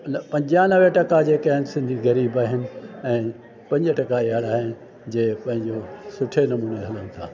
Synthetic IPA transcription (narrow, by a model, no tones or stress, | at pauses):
nɐpɐ̃ɲd͡ʑanɐʋeʈɐkad͡ʑeːkaːɦɪnɪ̆sɪ̃nd̪ʱiɣɐɾiːbaːɦɪnɪ̆ɛ̃ː | pɐ̃ɲd͡ʑəʈɐkaiɦaɽaːɦɪnɪ̆ | d͡ʑeːpɐ̃ɦɪ̃ɲd͡ʑoːsʊʈʰenɐmuːneɦɐlənɪ̆t̪ʰa̰ː